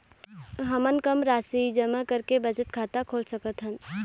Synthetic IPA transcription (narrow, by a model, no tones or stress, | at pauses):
ɦəmənkəmɾasid͡ʒəməkəɾkebəd͡ʒət̪kʰat̪akʰolsəkət̪ɦən